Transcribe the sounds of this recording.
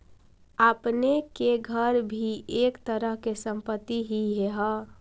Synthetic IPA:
apnekeɡʱəɾbʱiekt̪əɾəɦkesə̃mpət̪ːiɦiɦeɦɔ

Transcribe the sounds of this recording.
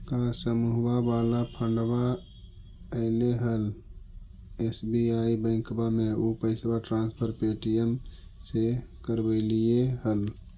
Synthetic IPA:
kasəmuɦbabaːlapʰəɳɖba | əɪneɦəl | esbiaːibə̃ɪ̃kbamẽopəɪsbaʈɾãːnspʰəɾpeːʈijən | sekəɾbəlieɦəl

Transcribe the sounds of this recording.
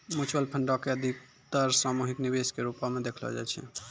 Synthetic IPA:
mut͡ʃwəlpʰəɳɖɔkeəd̪ʱik̚ | t̪əɾsamuɦiknibeskeɾupamed̪ekʰlɔ̰d͡ʒa̰jt͡ʃʰɛ̰

